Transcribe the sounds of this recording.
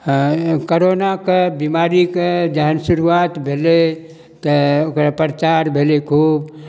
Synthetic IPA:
koɾonakebimaɾiked͡ʒəɦənsuɾuat̪bʱele | t̪əokɾapɾət͡ʃaɾbʱelekʰub

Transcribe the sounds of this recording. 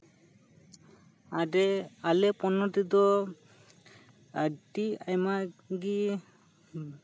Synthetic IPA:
aɖɛalɛpɔnɔʈid̪ɔ | aʈiajmaɡi

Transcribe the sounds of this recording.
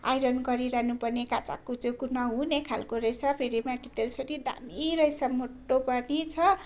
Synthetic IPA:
a̰jɾʌnɡʌɾiɾanupʌrnekat͡sa̰kːot͡sʌ̃kunʌɦunekʰalkoɾʌjsapʰeɾimaʈit̪elsʌɾid̪a̰miɾʌjsamoʈːopʌrnit͡sʰʌ

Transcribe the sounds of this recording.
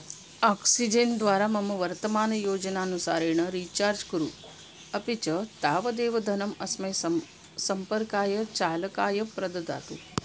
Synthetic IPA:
aːksid͡ʒend̪ʋaːɾamɐmɐʋɐɾt̪ɐmaːnɐjoːd͡ʒɐnaːnusaːɾeɳ̃əɾiːt͡ʃaːɾd͡ʒkuɾu | ɐpit͡ʃət̪aːʋɐd̪eːʋɐd̪ʱɐnɐmɐsmɐj | sɐmpəɾkaːjɐt͡ʃaːlɐkaːjɐpɾɐd̪ɐd̪a̰ːt̪ṵ

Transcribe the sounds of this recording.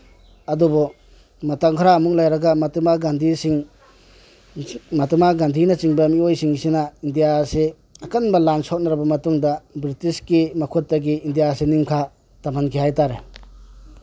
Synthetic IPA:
ɐdubɔ | mɐtaŋkʰaɾaːmuk̚lajɾɐɡɐmɐtmaɡandʱisiŋ | mɐtmaɡandʱinɐt͡ʃiŋbɐmiojsiŋisinaindijase | ɐkɐnbɐlansɔk̚naɾabɐmɐtuŋdɐbɾitiskimɐkʰotːɐɡiːndijasenimkʰa | tamankʰeɦajtaɾe

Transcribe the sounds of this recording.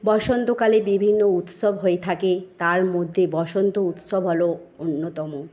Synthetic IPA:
bɔʃont̪okalebibʱinːout̪ʃobɦoet̪ʰaket̪aɾmod̪ʱːebɔʃont̪out̪ʃobʱɦɔloonːot̪ɔmo

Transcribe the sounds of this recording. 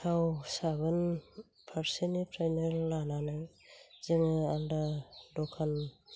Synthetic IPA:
sʰawsabɯn | pʰaɾsenipʰɾajneɾlananɯ | zɯŋɯaldadɔkʰan

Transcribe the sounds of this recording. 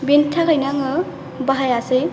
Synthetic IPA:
bintʰaɣajnaŋɯ | baɦajase

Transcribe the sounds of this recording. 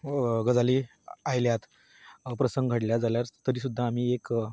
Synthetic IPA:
ɡəd͡zaliː | ajljat̪ | pɾəsəŋɡɡʱəɽljad͡zaljaɾt̪əɾiːsud̪ʱːaːm̤iːek

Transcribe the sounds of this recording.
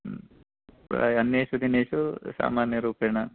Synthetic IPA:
ɾa̰ːɐnjeːʃud̪ineːʃusa̰ːmaːnjɐɾuːpeːɳɐ

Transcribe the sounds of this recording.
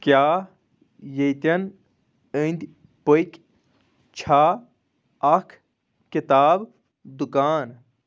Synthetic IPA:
kjaː | jejt̪ɐn | ənd̪ʲ | pojkʲ | t͡ʃʰaː | ɐkʰ | kit̪aːb | d̪ukaːn

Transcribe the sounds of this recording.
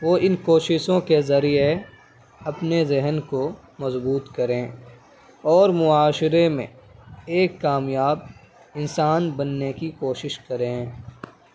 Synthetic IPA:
ʋoːɪnkoːʃɪʃõkezɐɾije | ɐpnezɪɦnko | mɐzbuːt̪kɐɾẽː | ɔːɾmʊaːʃɪɾemḛ̃eːkːaːmjaːb̚ | ɪnsaːnbɐnːekikoːʃɪʃkɐɾẽː

